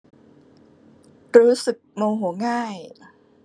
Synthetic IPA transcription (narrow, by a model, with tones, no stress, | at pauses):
ɾuː˦˥sɯ˨˩k̚mo˧wɦu˩˦əŋaː˥˩j